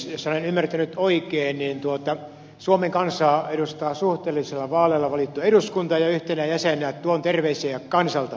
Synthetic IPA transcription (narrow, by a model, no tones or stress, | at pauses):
solenymːært̪ænyt̪oikeːnnint̪uot̪ɑ | suomeŋkɑnsɑːeɾust̪ɑːsuht̪eːlːiselːɑʋɑːleːlːɑʋɑlit̪ːueɾuskunt̪ɑjɑyht̪enæjæsenˑæːt̪t̪uont̪erʋeiseːjjɑkkɑnsɑlt̪ɑ